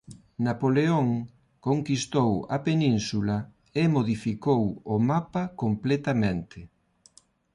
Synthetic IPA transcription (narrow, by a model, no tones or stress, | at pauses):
napoleoŋ | koŋkist̪owɐ̰penĩnsula | emoðifikowomapakomplet̪amẽnt̪ʰɪ